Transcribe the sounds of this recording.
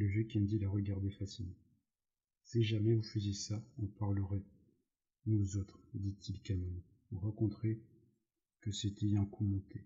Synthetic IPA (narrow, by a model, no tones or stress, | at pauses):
ləvjøkʲind̪ilaʁəɡaʁd̪ɛfasine | siʒamɛvufəzjesaɔ̃paʁləʁɛ | nuzot̪χd̪it̪ʰilkanɛn | uʁɑ̃kɔ̃t̪χe | kəset̪ʰɛɛ̃kʰumɔ̃t̪ʰe